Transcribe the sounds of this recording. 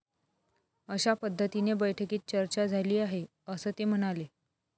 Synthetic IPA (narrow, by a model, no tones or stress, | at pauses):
əɕapəd̪ʱːət̪inebəjʈʰəkiːt̪̚t͡ɕəɾt͡ɕad͡zʱaliːaɦe | əsəːt̪em̤əɽ̃ale